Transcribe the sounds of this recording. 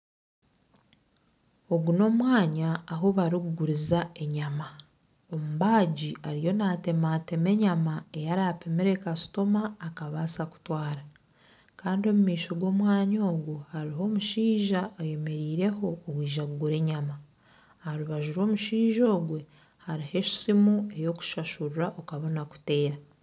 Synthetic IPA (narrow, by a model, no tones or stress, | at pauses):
o̞ɡuno̞mwaːɲaːɦoβaɾiɡuɡuɾizae̞ɲama | omuβaːɟiaɾijo̞nate̞mate̞me̞ɲamae̞jaɾape̞me̞ɾe̞kasu̥to̞maːkaβasaku̥twaːɾa | kaːndio̞mumiːʃo̞ɡwo̞ːmwaːɲo̞ːɡuhaɾiɦo̞ːmuʃiːʒaːje̞me̞ɾiːɾe̞ɦo̞ːwiːʒaɡɡuɾe̞ɲama | aɾuβaʒuɾo̞ːmuʃiːʒo̞ːɡwe̞ | haɾihe̞ʃi̥simue̞jo̞ku̥ʃaʃurɾaʔokaβo̞naku̥te̞ːɾa